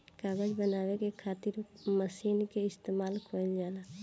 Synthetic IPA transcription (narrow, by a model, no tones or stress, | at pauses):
kaːɡəd͡ʒbənaːwekekʰaːt̪ɪɾməsiːnkeɪst̪eːmaːlkʰold͡ʒaːna